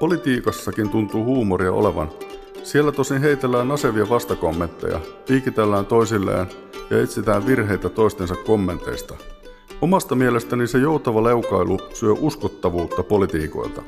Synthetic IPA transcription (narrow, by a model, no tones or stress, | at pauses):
po̞lit̪iːkɑsːɑkint̪unt̪uːhuːmoɾiɑ̰o̰le̞ʋɑ̰n | sielːæt̪osinɦe̞it̪elːæːnːɑse̞ʋiɑʋɑst̪ɑko̞mːe̞nt̪ːḛjɑ̰ʋiːkit̪elːæːnt̪o̞jsilːḛːn | jɑ̰et̪sit̪æːʋʋirɦe̞jt̪æt̪o̞ist̪e̞nsɑkko̞mːe̞nt̪ˑe̞̰jst̪ɑ | omɑst̪ɑmielest̪ænise̞jo̞ut̪ɑʋɑle̞ukɑjlʔusyøʔuskot̪ːɑʋuːt̪ːɑpo̞lit̪iːko̞̰jlt̪ɑ